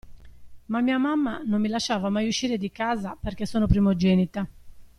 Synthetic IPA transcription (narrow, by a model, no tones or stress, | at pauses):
mamːiːamamːanomːilaʃːaːvamajuʃːiːɾed̪ikaːzaperkesːoːnopɾimod͡ʒɛːnit̪a